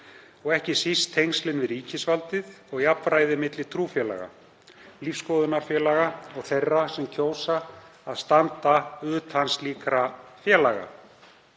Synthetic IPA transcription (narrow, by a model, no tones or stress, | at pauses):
ɔɣɛhcɪsist̪ʰːejŋslɪnvɪɾiːcɪsvalt̪ɪðɔɣjapɾaːjðɪmɪt̪lɪt̪ʰɾuːfjɛla̰ɣa̰ | lifskɔːðʏnaɾ̥fjɛːlaɣaɔɣθejrːasɛmcʰoːwsaaðst̪ant̪aʏːt̪ʰansliːkɾafjɛːlaɣa̰